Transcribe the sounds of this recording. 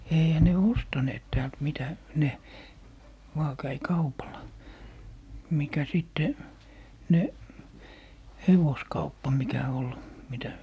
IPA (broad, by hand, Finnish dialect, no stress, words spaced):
eihæ ne ostɑneːt tæːlt mitæ ne ʋɑː kæi kɑupɑlˑɑ mikæ sitːe ne heʋoskɑupːɑ mikæ ol mitæ